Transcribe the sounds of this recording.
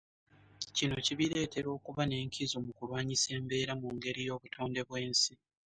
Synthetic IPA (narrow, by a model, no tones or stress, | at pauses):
cino̞ciβiɾe̞ːte̞ɾo̞ːkuβane̞ːŋkʰizomukulwaːɲise̞ːmbe̞ːɾamuŋɡe̞ɾijo̞ːβutʰo̞ːnde̞βwe̞ːnsi